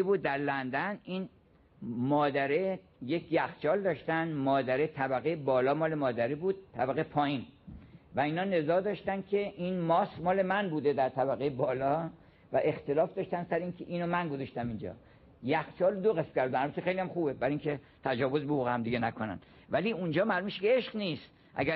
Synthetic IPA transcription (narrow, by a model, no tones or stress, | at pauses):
buːd̪̚ːæɾlænd̪ænin | mɒːd̪æɾe | je̞kʰjæxt͡ʃʰɒːld̪ɒːʃt̪ænmɒːd̪æɾet̪ʰæbæɣejebɒːlɒːmɒːle̞mɒːd̪æɾibuːd̪̥̚t̪ʰːæbæɣejepʰɒːjiːnvæiːnɒːne̞zɒːd̪ɒːʃt̪ænd̪̚kʲʰe̞ʔinmɒːsmɒːle̞mænbuːd̪e̞d̪æɾt̪ʰæbæɣejebɒːlɒ | væʔe̞xt̪e̞lɒːfd̪ɒːʃt̪ænd̪sæɾeiːnkʰeʔiːnomænɡozɒʃt̪æmind͡ʒɒ̰ː | jæxt͡ʃʰɒːlod̪oɣesm̥kʰʲæɾd̪d̪ænhælbæt̪ʰːexejlijæmxuːbebæɾiŋkʰe̞ | t̪ʰæd͡ʒɒːvo̞zbehuɣehæmd̪iɡʲenækʰonæ̰n | væliːund͡ʒɒːmælumeʃekʲeeʃɡniːst̪ | ʔæ̰ɡæ